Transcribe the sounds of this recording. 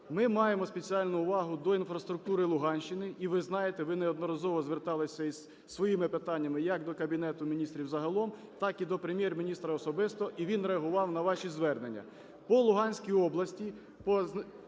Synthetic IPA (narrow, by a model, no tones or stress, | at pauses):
mɪmɑjemɔspʲet͡sʲiɑlʲnʊːʋɑɦʊd̪ɔinfɾɐst̪ɾʊk̚t̪uɾɪlˠʊɦɑnʲʃɪnɪʔiʋɪznɑjet̪ɛʋɪneɔd̪nɔɾɐzɔʋɔzʋert̪ɑlˠɪsʲɐiz | sʋɔjimɪpɪt̪ɑnʲːɐmɪjɐkd̪ɔkɐbʲinɛt̪ʊmʲinʲist̪ɾʲiwzɐɦɐlˠɔm | t̪ɑkid̪ɔpɾemʲjermʲinʲist̪ɾɐɔsɔbɪst̪ɔʔiʋʲinɾeɐɦʊʋɑwnɐʋɑʃʲizʋɛrnenʲːɐ̰ | pɔlˠʊɦɑnʲsʲkʲijɔblˠɐsʲtʲi | pɔ